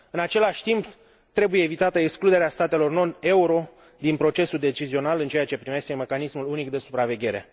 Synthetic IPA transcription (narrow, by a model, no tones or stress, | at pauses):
ɨnat͡ʃe̞laʃʲt̪imp | t̪ɾe̞bujeːvit̪at̪əeksklud̪eɾeast̪at̪e̞lo̞rno̞ne̞uɾo̞ | d̪inpɾo̞t͡ʃe̞suld̪e̞t͡ʃizio̞nalɨnt͡ʃe̞jat͡ʃe̞pɾime̞ʃt̪eme̞kanismulunikd̪e̞supɾave̞ɡʲe̞ɾe̞̰